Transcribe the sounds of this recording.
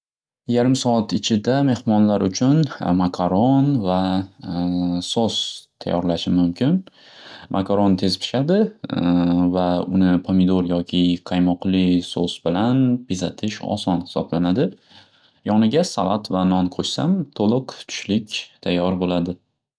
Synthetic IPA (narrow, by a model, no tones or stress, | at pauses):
jaɾɪmsɒat̪ɪt͡ʃʰɪd̪ame̞hmɒnlaɾʊt͡ʃʰʊnmakʰaɾɒnva | sost̪ʰa̰jːɒɾlaʃɪmʊmkʲʰɪn | mʔa̰kʰaɾɒnt̪ʰe̞zpʰɪ̥ʃad̪ɪ | vaʊnɪpʰomɪd̪oɾjɒkʲʰɪqʰɑjmɒqlɪso̰sbɪlanpʰizat̪ʰɪʃɒ̰sɒnhɪ̥sɒ̰blanad̪ɪ | jɒnɪɡʲasalˠat̪vanɒnqʰoʃsamt̪ʰolˠɨqt̪ʰʊ̥ʃlɪkʲt̪ʰajːɒɾbolad̪ɪ